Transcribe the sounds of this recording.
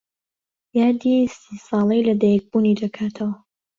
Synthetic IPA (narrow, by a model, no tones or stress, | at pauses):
jaːd̪isisɑːlˠejlɐd̪ajɛk̚bunidɐkʰaːt̪ʰɐwɐ